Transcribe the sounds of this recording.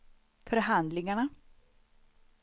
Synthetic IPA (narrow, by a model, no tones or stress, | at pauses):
fœɾɦand̪lɪŋaɳa